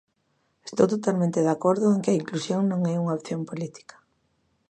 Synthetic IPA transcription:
est̪owt̪ot̪almẽnt̪eðakoɾðʊeŋkɪɐiŋklusjoŋnõŋɛuŋaopθjompolit̪i̥kḁ

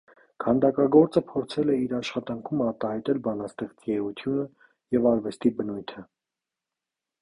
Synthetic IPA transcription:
kʰɑnd̪ɑkɑɡɔɾt͡səpʰɔɾt͡sʰɛlɛiɾɑʃχɑt̪ɑŋkʰumɑɾt̪ɑhɑjt̪ɛlbɑnɑst̪ɛχt͡sɛut̪ʰjunə | jɛvɑɾvɛst̪ibənujt̪ʰə

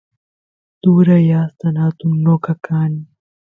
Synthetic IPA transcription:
d̪̥uːɾɐjaːst̪ɐnaːt̪ʊnːokɐkaːn

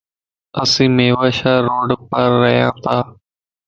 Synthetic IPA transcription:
əsĩːmeːʋaːʃaːɾoːɖpəɾːəɦjãːt̪ʰaː

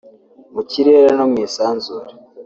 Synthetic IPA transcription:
muciɾe̞ːɾenomŋiːsaːnzuːɾe̥

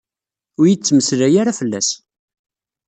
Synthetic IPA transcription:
ʊɾjit͡sːməslæjaɾafəlːæ̰s

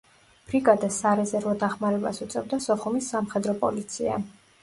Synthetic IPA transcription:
b̥ɾiɡʼad̪asaɾɛzɛɾvɔd̪aχmaɾɛbasut̪sʼɛbd̪asɔχumisːamχɛd̪ɾɔpʼɔ̰lit̪sʰia̰

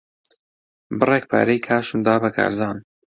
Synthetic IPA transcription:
bɨrek̚pʰa̰ɾejkʰaːʃund̪aːbɐkʰa̰ːɾzɑːn

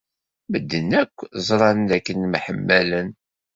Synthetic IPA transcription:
məd̪ːənːækʷːzˤɾˤɑnd̪ækːənmħəmːælən

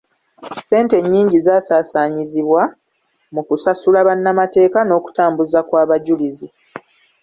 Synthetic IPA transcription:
se̞ːnte̞ɲːiːɲɟizaːsaːsaːɲiziβwa | mukusasulaβanːamate̞ːkano̞ːku̥taːmbuzakwaːβaɟulizi

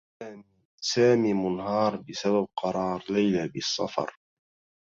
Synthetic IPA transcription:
aːmi | saːmiːmʊnɦɑːɾˤbɪsabab̚qɑɾˤɑːɾˤlajlabɪsːɑ̰fɑ̰ɾˤ

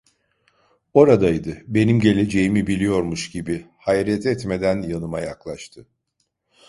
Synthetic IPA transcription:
o̞ɾad̪ajd̪ɯbe̞nimɟe̞lʲe̞d͡ʒe̞jimibilʲijo̞ɾmuʃɟibi | hajɾɛt̪ʰɛt̪me̞d̪ænjanɯmajaklˠaʃt̪ʰɯ

